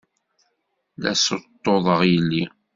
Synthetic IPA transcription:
læsət̪ˤːoðˤəʁjəlːi

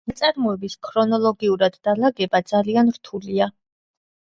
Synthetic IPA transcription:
nat̪sʼaɾmɔɛbiskʰɾɔnɔlˠɔɡiuɾad̪ːalaɡɛbad̪zalianɾt̪ʰulia

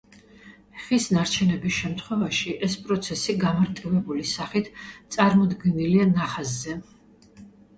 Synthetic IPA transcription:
χisnaɾt͡ʃʰɛnɛbisʃɛmt̪ʰχwɛvaʃiʔɛspʼɾɔt̪sʰɛsiɡamaɾt̪ʼivɛbulisaχit̪ʰt̪sʼaɾmɔd̪ɡɛnilianaχazzɛ

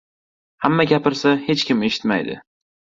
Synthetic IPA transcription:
hamːaɡʲapɪɾsahe̞t͡ʃkʲɪme̞ʃɪ̥t̪ma̰jd̪ɪ̰

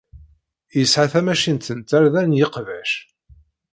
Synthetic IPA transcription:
jəsʕaθæmæʃint̪ənt̪æɾðænjəqvæʃ

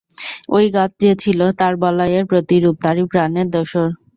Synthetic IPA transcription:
ojɡat̪̚ʰd͡ʑet͡ɕʰilot̪aɾbɔlajeɾpɾot̪iɾup̚t̪aɾipɾaneɾd̪ɔʃoɾ

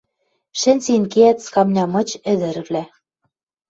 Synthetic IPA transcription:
ʃɘ̆nʲsinkeæt̪skɑmnʲɑmɤ̆t͡ɕɘ̆d̪ɘ̆ɾɘ̆βlæ

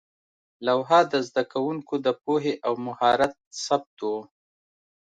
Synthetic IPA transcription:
lawɦɑd̪əzd̪akawuŋkod̪əp̚oɦeʔawmʊhɑɾat̪̚sab̚t̪wo

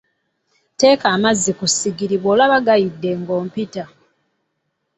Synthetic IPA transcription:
te̞ːkaːmazːikusiɡiɾiβoːlaβaɡajidːe̞ŋɡo̞ːmpita

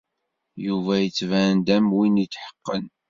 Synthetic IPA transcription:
juvæjət͡sːvænd̪æmwinit͡sːħə̥qːən

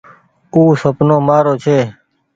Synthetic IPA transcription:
uːsəpnoːmaːɾoːt͡ʃʰeː

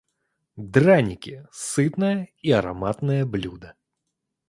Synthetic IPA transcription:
d̪ranʲikʲisɨt̪nɐjɐiɐɾa̰mat̪nɐjɐblʲud̪ɐ

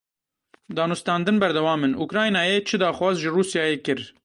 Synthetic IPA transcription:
d̪ɑːnust̪ɑːnd̪ɨnbɛɾd̪ɛwɑːmɨnʔukɾɑːjnɑːjeːt͡ʃʰɨd̪ɑːxwɑːzʒɨruːsjɑːjeːkɨɾ

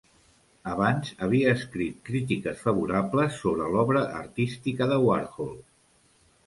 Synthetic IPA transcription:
əβanzəβ̞iəːskɾit̪̚kɾit̪ikəsfəβ̞uɾabləsːoβ̞ɾəlɔβɾəʔːɾt̪ist̪ikəðəwa̰ɾxolˠ

